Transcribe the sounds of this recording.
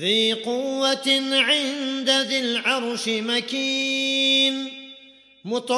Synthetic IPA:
fiːqʊwːaʕɪnd̪aðɪlʕɑɾˤʃɪmakiː | n | mʊt̪ˤ

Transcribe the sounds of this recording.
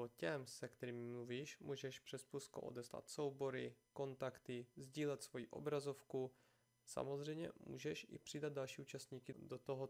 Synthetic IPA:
ocɛmsɛkt̪ɛɾiːmmluviːʃmuːʒɛʃpr̥ɛspusko̰ʔo̰dɛsla̰t̪sowbo̞ɾɪko̞nt̪akt̪ɪzɟiːlɛt̪svo̞jiʔo̞̰bɾazo̞fku | sa̰mozrɛjɲɛ̰mṵːʒɛʃɪ̰pr̥ɪdad̪̚dalʃiːʔuːt͡ʃast̪ɲiːkɪdot̪oɦo

